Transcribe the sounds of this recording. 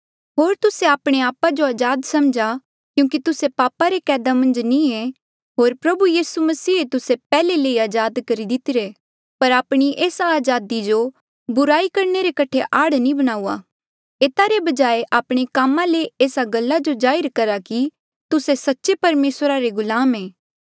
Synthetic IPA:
ɦoːɾt̪ʊseaːpɽ̃eaːpad͡ʒoaːd͡ʒaːd̪sɐmd͡ʒa | kjũːkit̪ʊsepaːpaɾekɛːd̪amɐ̃nd͡ʒnĩe | ɦoːɾpɾɐbujiːsumɐsiːet̪ʊsepɛːleleːiaːd͡ʒaːd̪kɐɾid̪ɪt̪ɪɾe | pɐɾaːpɽ̃iʔeːsaːd͡ʒaːd̪id͡ʒo | bʊɾaːikɐɾneɾekɐʈʰeʔaːɽnĩbɐɽ̃aːuːa̰ː | eːt̪aɾebɐd͡ʒaːeʔaːpɽ̃ekaːmãleeːsaɡɐlːad͡ʒod͡ʒaːɪɾkɐɾaki | t̪ʊsesɐtːʃepɐɾmeːsɾaɾeɡʊlaːmeː

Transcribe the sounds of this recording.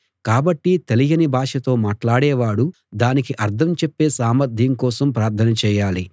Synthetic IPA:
kaːbɐʈːit̪elijɐnibʱaːʂɐt̪o̞ːmaːʈlaːɽɛːʋaːɽu | d̪aːnikiʔɐɾd̪ʰʱɐmt͡ʃepːe̞ːsaːmɐɾd̪ʱjɐŋkɔːsɐmpɾaːɾt̪ʰɐnɐt͡ʃɛːjaːli

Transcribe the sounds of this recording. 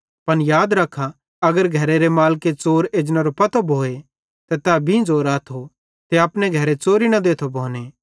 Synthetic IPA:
pɐnjaːd̪ɾɐkʰːa | ɐɡəɾɡʱɐɾeɾemaːlket͡soːɾeːd͡ʒnaɾopɐt̪obʱoːe | t̪ɐt̪abʱĩd͡zoːɾaːt̪ʰo | t̪eaːpneɡʱɐɾet͡soːɾinɐd̪eːt̪ʰobʱoːneː

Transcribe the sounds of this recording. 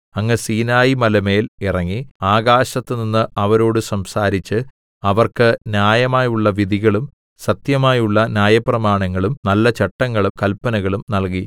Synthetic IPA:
ɐŋːesiːnaːjimɐlɐme̞ːlirɐŋːiaːɡaːɕɐt̪ːɨninːɨʔɐʋɐɾo̞ːɽɨsɐmsaːɾit͡ɕːɨ | ɐʋɐrkɨnjaːjɐmaːjuɭːɐʋid̪ʱiɣɐɭum | sɐt̪jɐmaːjuɭːɐnʲjaːjɐprɐmaːɳɐŋːɐɭumnɐlːɐt͡ɕɐʈːɐŋːɐɭumkɐlpɐnɐɣɐɭumnɐlk̬i

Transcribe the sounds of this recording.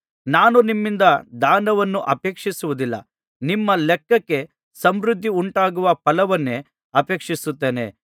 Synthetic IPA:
naːnunimːind̪ɐd̪aːnɐʋɐnːuʔɐpeːkʂisuʋud̪ilːɐ̰ | nimːɐlɛkːɐkːe̞ | sɐmɾud̪ʱːiuɳʈaːɡuʋɐpɐlɐʋɐnːe̞ | ɐpe̞ːkʂisut̪ːe̞ːnḛ

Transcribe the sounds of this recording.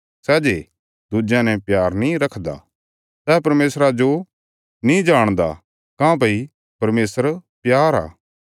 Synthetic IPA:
sɛːd͡ʒe | d̪ud͡ʒjãnɛ̃pjaːɾnĩɾɐkʰd̪a̰ | sɛːpɐɾmeːsɾad͡ʒo | nĩd͡ʒaːɽ̃d̪a̰ | kãːp̬ɐi | pɐɾmeːsəɾpjaːɾa̰ː

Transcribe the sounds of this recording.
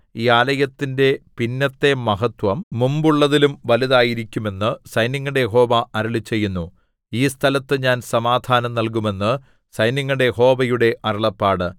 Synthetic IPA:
iːaːlɐjɐt̪ːinde̞pinːɐt̪ːe̞mɐɦɐt̪ʋɐmːumbuɭːɐðilumʋɐliðaːjiɾikʲːume̞nːɨsɐjniŋːuɽe̞jɦo̞ːʋɐʔɐɾɐɭit͡ɕːe̞jːunːu | iːst̪ʰɐlɐt̪ːɨɲaːnsɐmaːd̪ʱaːnɐmnɐlk̬ume̞nːɨ | sɐjniŋːɐɽe̞jho̞ːbɐjuɽe̞ʔɐɾɐɭɐpːaːɽɨ

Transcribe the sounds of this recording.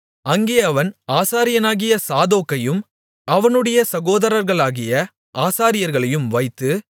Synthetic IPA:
ɐŋɡeːɐʋɐnaːsaːɾɪjɐnaːɣɪjɐsaːðoːkːɐjɯm | ɐʋɐnɯɽɐjɐsɐɣoːðɐɾɐɾɣɐɭaːɣɪjɐ | ʔaːsaːɾɪjɐɾɣɐɭɐjɯmʋɐɪt̪ːɯ

